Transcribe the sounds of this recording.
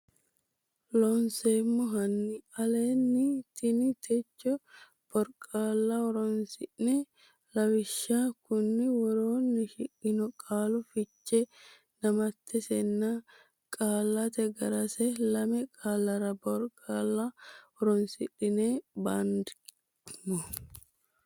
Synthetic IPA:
lɔnseːmːɔɦɐnːɪɐleːnːɪt̪ɪnɪt̪ʰɛt͡ʃːɔ | b̥ɔɾkʼaːlːaɔɾɔnsɪᶑnɛ | lɐwɪʃːaːkʊnːɪwɔɾoːnːɪʃɪʔɪnɔkʼaːlʊfɪt͡ʃːɛ | nɐmɐt̪ːɛsɛnːa | kʼaːlːat̪ɛɡɐɾɐsɛlɐmɛkʼaːlːɐɾɐbɔɾkʼaːlːaɔɾɔnsɪᶑɪneːbaːnd̪ɪ | mɔ

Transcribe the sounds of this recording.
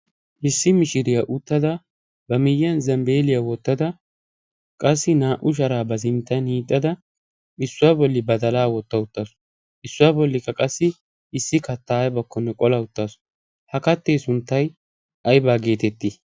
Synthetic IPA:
ʔɪsːɪmɪʃɪɾɪjaʔʊt̪ːɐd̪ɐ | bɐmɪjːɐnzɐmbe̞ːlɪjawɔt̪ːɐd̪ɐ | kʼɐsːɪnaːʔʊʃ̬ɐɾaːbɐzɪmɪt̪ːɐnhiːt̪ʼːɐd̪ɐ | ɪsːʊwaːbɔlːɪbɐd̪ɐlaːwɔt̪ːɐʊt̪ːɐsʊ̥ | ʔɪsːʊwaːbɔlːɪkːɐkʼɐsːɪ | ɪsːɪkɐt̪ːaːjbɐkːɔnːɛkʼɔlɐʊt̪ːɐsʊ̥ | hɐkɐt̪ːe̞ːsʊnt̪ːɐj | ʔɐjbaːɡe̞ːt̪ɛt̪ːɪ

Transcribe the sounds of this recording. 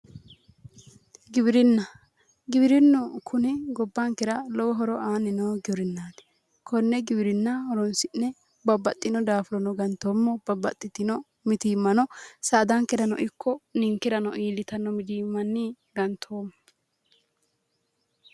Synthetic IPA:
ɡɪbɪɾɪnːɐ | ɡɪbɪɾɪnːɔkʰʊnɪɡɔbːɐŋkːɛɾɐlɔwɔɦɔɾɔʔaːnːɪnoːɡɪbɪɾɪnːaːd̪ɛ̥ | kʰɔnːɛɡɪbɪɾɪnːɐhɔɾɔnsɪnːɛ | bɐbːɐt̪ʼːɪnɔd̪aːfʊɾɔnɔɡɐnt̪oːmːɔb̥ɐbːɐt̪ʼːɪt̪ɪnɔ | mɪt̪iːmːɐnɔsaːd̪ɐŋkɛɾɐnɔ̰ʔɪkʰːɔnɪŋkɛɾɐnɔʔiːlɪt̪ɐnːɔmɪd̪iːmːɐnːɪ | ɡɐnt̪ʰoːmɔ

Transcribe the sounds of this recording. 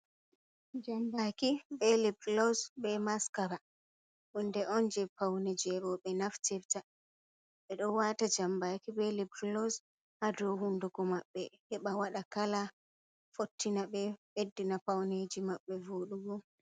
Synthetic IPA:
d͡ʒambakiɓɛlibɾlɔsbɛmaskaɾa | ʔundɛʔɔnd͡ʒɛpawned͡ʒɛɾɔɓɛnaftɛfta | ɓɛɗɔwatad͡ʒambakiɓɛlibɾlɔs | hadɔhunduɡɔmaɓːɛhɛɓawaɗakala | fotːinaɓɛɓedːinapawned͡ʒimaɓːɛvoɗuɡɔ

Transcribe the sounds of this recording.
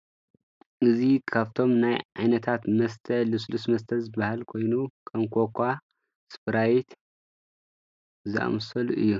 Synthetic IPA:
ʔɨzikʰaβt̪ʰo̞mnajʕajnɐt̪ʰat̪mɐst̪ʰɐlɨslusmɐst̪ʰɐlzɨbahalkʰo̞jnukʰɐmkʰokʷʰːa | spʰɨɾajit̪ | zʔa̰msɐlʔɨjːu

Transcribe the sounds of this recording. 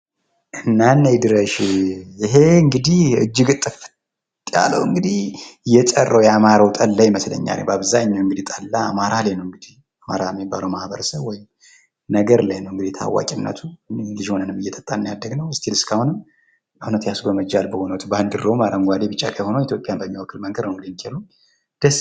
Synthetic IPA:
ʔɨnːanːajd̪ɨɾəʃjɪɦe̞ɨŋɡɨd̪ihɨ̰d͡ʒːɪɡɨt̪ʼːɨf | t̪ja̰lə̰wɨŋɡɨd̪ihjɛt͡ʃʼərːəwjamaɾawt̪ʼəlːajməslə̰ɲːa̰l̰baβzaɲːawɨŋɡɨd̪it̪ʼəlːaːmaɾalajnəwɨŋɡɨd̪ih | amaɾajɛmːibːaləwmahbəɾəsəβwɔjɪm | nəɡəɾlajnəwɨŋɡɨd̪ijt̪ʰa̰wːa̰kʼɪnːə̰t̪ʰulɨʒiho̞nənɨmːɨjːɛt̪ʼət̪ʼːannijad̪ːəɡnəwst̪ʰilɨskʰahunɨm | ɨhnət̪jasubəməd͡ʒalbəhonəwt̪ʰbaɨnd̪ɨrəwmaɾəmɡʷad̪ebɨt͡ʃːa̰kʰəho̞nəwjɛt̪ʰjo̞pʼjanbəmːiwɔkʰːɨlməŋɡəd̪nəwɡlinkʰelu | d̪̥əs

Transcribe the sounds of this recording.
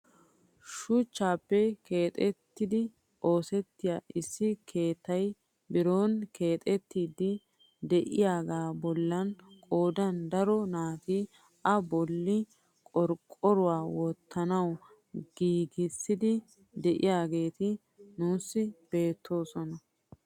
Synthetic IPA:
ʃʊt͡ʃːaːpːɛkeːt̪ʼɛt̪ːɪd̪ɪ | ʔo̞ːsɛt̪ːɪjaʔɪsːɪkʰe̞ːt̪ːɐj | bɪɾo̞ːnke̞ːt̪ʼɛt̪ːiːd̪ɪ | d̪ɛʔɪjaːɡaːbɔlːɐnkʼo̞ːd̪ɐnd̪ɐɾɔnaːt̪i | ʔɐbɔlːɪ | kʼɔɾkʼɔɾʊwaːwɔt̪ʰːɐnɐw | ɡ̥iːɡɪsːɪd̪ɪ | d̪ɛʔɪjaːɡe̞ːt̪ɪ | nuːsːɪb̥e̞ːt̪ʰːo̞ːsɔnɐ

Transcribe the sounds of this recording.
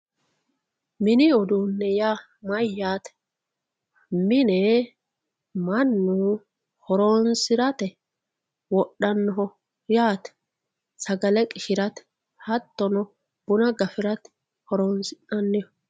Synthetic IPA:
mɪnɪɔd̪unːɛjaː | mɐjːaːt̪ɛ | mːɪnɛ | mɐnːu | hɔɾoːnsɪɾɐt̪ɛ | wɔɗːɐnːɔɦɔ | jaːt̪ɛ̥ | sɐɡɐlɛkʼɪʃɪɾɐt̪ | hɐt̪ːɔnɔ | b̥ʊnɐɡɐfɪɾɐt̪ | hɔɾoːnsɪʔɐnːɪjɔ

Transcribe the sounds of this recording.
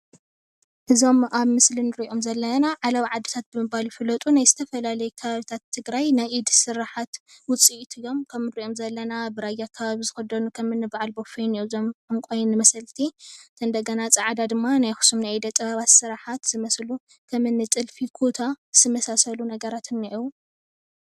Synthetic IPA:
ʔɨzo̞maβmɨslinɨɾiʔo̞mzɐlːɐnaʕalɐβʕad̪ːɨt̪ʰat̪̚bɨmɨbaljifɨlɐt̪ʼunajzɨt̪ʰɐfɐlalɐjɛkʰɐβaβit̪ʰat̪ʰːɨɡɾajnajʔid̪sɨɾaħat̪wʊt͡sʼiʔt̪ʰɨjːo̞mkʰɐmnɨɾiʔo̞mzɐlːɐnabɨɾajakʰːɐβaβizɨxɐd̪ɐnukʰɐmɨnːɨbaʕalbofijnijuzomkʰɨmkʼojnːɨmɐsɐlt̪ʰit̪ʰɐɨnd̪ɐɡɐnat͡sʼɐʕad̪ad̪ɨmːanajxu̥sumnajid̪ɐt̪ʼɐβaβat̪sɨɾaħat̪z̥ɨmɐslu | kʰɐmɨnːɨt͡s̪ʼɨlfikʰot̪ʰaz̥ɨmɐsasɐlunɐɡɐɾat̪ʰɨnːiʔu

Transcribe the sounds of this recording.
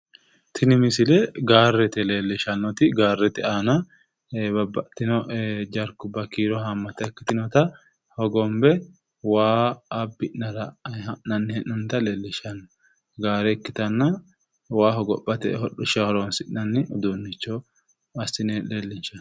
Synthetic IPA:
t̪ʰɪnɪmɪsɪlɛɡaːrːɛt̪ɛle̞ːlːɪʃɐnːɔt̪ɪɡaːrːɛt̪ɛaːnɐ | bɐbːɐʔt̪ːɪnɔd͡ʒɐɾkʊbɐkiːɾɔɦɐmːɐt̪ːɛkːɪ̥t̪ɪnɔt̪ɐ | hɔɡɔmbɛ | waːbːɪʔnɐɾɐʔnɐnːɪhɛʔːʊnt̪ɐleːlːɪʃɐnːɔ | ɡaːɾɛːkːɪ̥t̪ɐnːɐ | waːɦɔɡɔpːɐt̪ɛ̰hɔɗʊʃɐhɔɾonsɪʔnɐnːɪʊd̪uːnːɪt͡ʃːɔ | ɐsɪnɛleːlːɪnt͡ʃːɐn

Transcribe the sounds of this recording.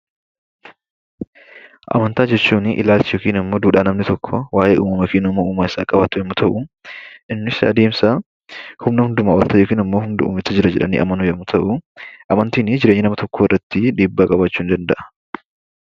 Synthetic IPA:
ʔɐ̰mɐnt̪aːd͡ʒɛt͡ʃːuːnʔɪ̰laːlt͡ʃɪjoːkiːnɪmːoːd̪uːᶑaːnɐmnɪt̪ɔkʰːɔwaːʔeːʔuːmɐmɐfiːnʊmɐuːmaːɪsaːkʼɐbat̪ʊjɛmːʊt̪ʰɐʔʊʔɪnːɪsɐ̰d̪e̞ːmsa | hʊmnɐhʊnd̪ʊmaːwɐlt̪ɐjo̞ːkiːnɪmːo̞ːhʊnd̪ʊṵːmɪt͡ʃːɐd͡ʒɪɾɐd͡ʒɛᶑɐ̰nḭːʔɐ̰mɐnujɛmːʊt̪ʰɐʔʊʔɐmɐnt̪iːnɪd͡ʒɪɾeɲːɪnɐmɐt̪ɔkʰːoːɪrːɐt̪ːɪᶑ̪eːbːaːkʼɐbat͡ʃːuːnd̪ɐnd̪ɐʔɐ̥

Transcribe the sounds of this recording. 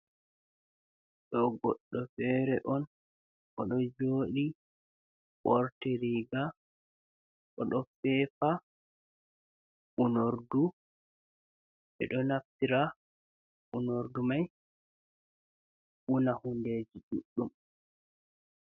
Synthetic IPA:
ɗɔɡɔɗːɔfɛɾɛʔɔn | ʔɔɗɔd͡ʒoːɗi | ɓɔɾtɛɾiɡa | ʔɔɗɔfɛːfa | ʔunoɾdu | ɛ̰ɗɔnaftiɾa | ʔunoɾdumaj | ʔunahunded͡ʒiɗuɗːum

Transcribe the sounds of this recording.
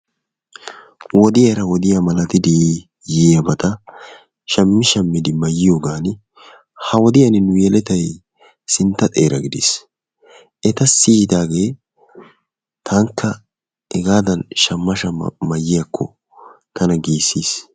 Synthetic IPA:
wɔd̪ɪjɐɾɐwɔd̪ɪjɐmɐlɐt̪ɪd̪ɪ | jɪɐbɐt̪ɐ | ʃɐmːɪʃɐmːɪd̪ɪmɐjːɪjoːɡaːnɪ | hɐwɔd̪ɪjɐnɪnʊjɛlɛt̪ɐj | sɪnt̪ːɐt̪ʼeːɾɐɡɪd̪ɪ̰s | ʔɛt̪ɐsiːd̪aːɡe̞ː | t̪ʰɐŋkʰːɐ | ɛɡaːd̪ɐnʃɐmːɐʃɐ̰mɐjːɪjɐkʰːɔ̰ | t̪ɐnɐɡiːsːiːs

